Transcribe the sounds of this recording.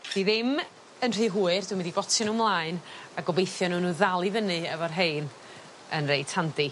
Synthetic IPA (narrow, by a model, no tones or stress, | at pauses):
d̥iðɪm | ənr̥ɨːɦuːɨrdwmɪndibɔtʰɔnuːmlˠaɨnaɡɔbejθjɔnuːnuːðalˠivənɨɛvɔrɦejn | ənrejtʰandi